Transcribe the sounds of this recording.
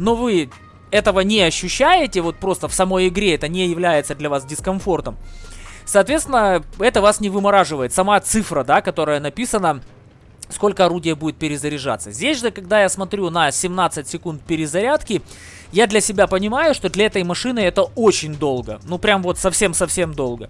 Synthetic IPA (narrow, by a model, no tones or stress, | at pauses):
no̞vɨ | ɛt̪əvənʲɪɐɕːʉɕːæjɪtʲɪvo̞t̪̚pɾo̞st̪əfsɐmo̞jɪɡɾʲeɛt̪ənʲɪjɪvlʲæjɪt̪səd̪lʲɐvasdʲɪskɐnfo̞rt̪əmsɐːt̪vʲest̪ʲɪnːəɛt̪əvasnʲɪvɨmɐɾaʐɨvəjɪt̪sɐmat̪sɨfɾəd̪akɐt̪o̞ɾəjənɐpʲisənə | sko̞lʲkəɐɾudʲɪjəbudʲɪt̪̚pʲɪɾʲɪzəɾʲɪʐa̰t̪səzʲdʲesʲʐɨkɐɡd̪ajasmɐt̪ɾʲunəsʲɪmnat̪sɨtʲsʲɪkunt̪̚pʲɪɾʲɪzɐɾʲat̪kʲɪ | jad̪lʲɐsʲɪbʲapənʲɪmajʊʂt̪od̪lʲɐɛt̪əjmɐʂɨnɨɛt̪əo̞t͡ɕɪnʲd̪o̞lˠɡənupɾʲamvo̞t̪sɐfsʲe̞msɐfsʲe̞md̪o̞lˠɡə